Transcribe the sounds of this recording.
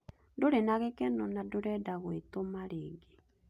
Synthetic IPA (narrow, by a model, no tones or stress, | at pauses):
doɾenaɣekɛnɔnadoɾɛdaɣwetomaɾeːɡe